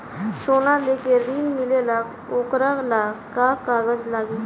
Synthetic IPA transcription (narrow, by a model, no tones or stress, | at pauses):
sonalekeɾiːnmilelak | okɾalakakaɡəd͡zlaɡiː